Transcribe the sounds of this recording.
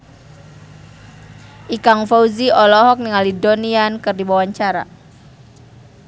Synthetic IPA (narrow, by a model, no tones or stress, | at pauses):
ʔikaŋfauziɔlɔɦɔk̚niŋalidoniankɨrdibawaɲt͡ʃaɾa̰